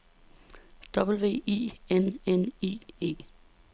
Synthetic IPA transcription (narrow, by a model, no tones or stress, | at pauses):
d̥ɒ̽b̥l̩ʋe̝̰ːḭːenenḭːe̝̰ː